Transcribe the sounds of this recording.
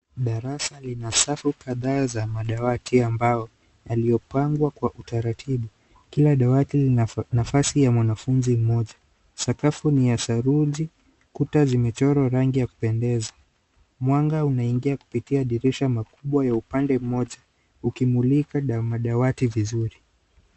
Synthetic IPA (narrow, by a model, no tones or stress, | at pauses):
ɗaɾasalinasafukaðaːzamaɗawatiambajɔ | jaliɔpaŋɡwakwaʔutaɾatʰiɓu | kilaɗawatilinafasijamwanafunzim̩mɔʄa | sakafuniasaɾuʄi | kutazimɛt͡ʃɔɾɔɾaŋɡijaku̥pɛndɛza | mwaŋɡaunaiŋɡiaku̥pitiaɗiɾiʃamakuɓwajaupandɛm̩mɔʄa | ukimulikaɗmaɗawativizuɾi